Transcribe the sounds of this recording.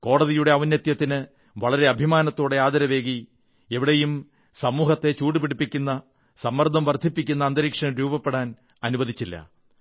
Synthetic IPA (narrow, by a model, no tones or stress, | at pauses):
ko̞ːɽɐðijuɽe̞ɐʋɐnjɐt̪jɐt̪ːinɨ | ʋɐɭɐɾe̞ɐbʱimaːnɐt̪ːo̞ːɽe̞aːd̪ɐɾɐʋe̞ːɣi | e̞ʋiɽejum | sɐmuːɦɐt̪ːe̞t͡ɕuːʈːipeɽipːikʲːunːɐ | sɐmːɐrd̪ʱɐmʋɐrd̪ʱːipːikʲːunːɐːnd̪ɐɾiːkʂɐmɾuːbɐpːeɽaːn | ɐnubɐðʱit͡ɕːilːɐ̰